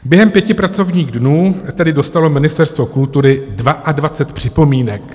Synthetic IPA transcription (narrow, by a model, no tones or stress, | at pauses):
bjɛɦɛmpjɛcɪpɾat͡so̞vɲiːɣdnuːt̪ɛdɪdo̞st̪alo̞mɪnɪst̪ɛɾst̪vo̞kult̪uɾɪdvaʔadvat͡sɛt̪pr̥ɪpo̞miːnɛk